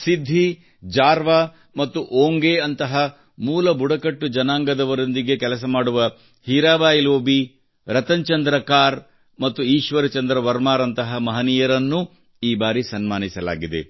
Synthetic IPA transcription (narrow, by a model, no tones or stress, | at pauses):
sid̪ʱːi | d͡ʒaːɾʋaː | mɐt̪ːuʔoːŋɡeːɐnt̪ɐɦɐ | muːlɐbʱuɽɐkɐʈːud͡ʒɐnaːŋɡɐd̪ɐʋɐɾond̪iɡe̞kɛlɐs̬ɐmaːɽuʋɐ | hiːɾaːʋaːjloːbi | ɾɐt̪ɐɲt͡ʃɐnd̪ɾɐkaːɾ | mɐt̪ːuiːʃʋɐɾɐt͡ʃɐnd̪ɾɐʋɐɾmaːɾɐnt̪ɐɦɐmɐɦɐnijɐɾɐnːu | iːbaːɾisɐnmaːnisɐla̰ːɡid̪e̞̰